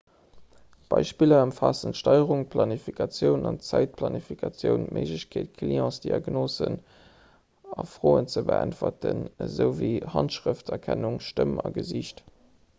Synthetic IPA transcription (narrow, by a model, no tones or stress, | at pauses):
b̥ɑɪʃpilɐəmfaːsəntʃtɑɪəʁʊŋpʰlɑnifikʰɑt͡sjəʊnɑnt͡sæɪt̚pʰlɑnifikʰɑt͡sjəʊnmʔeʒləɕkʰeːtkʰliɑ̃ːsd̥iɑɡnoːzən | ɑfʁ̥oːənt͡səbəæntvɐtənzəʊviːhɑntʃʁəftɛkʰænuŋʃtəmɑɡəziɕt